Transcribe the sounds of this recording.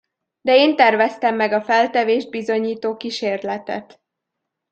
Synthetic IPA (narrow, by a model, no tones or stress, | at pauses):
d̪ɛeːnt̪ɛrvɛst̪ɛmːɛɡɒfɛlt̪ɛveːʒd̪̚bizo̞ɲiːt̪oːkiʃeːrlɛt̪ɛ̰t̪